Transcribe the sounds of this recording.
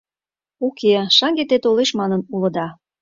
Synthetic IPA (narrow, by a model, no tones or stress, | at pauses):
ukeʃɑŋɡet̪et̪oleʃmɑnənulə̆d̪ɑ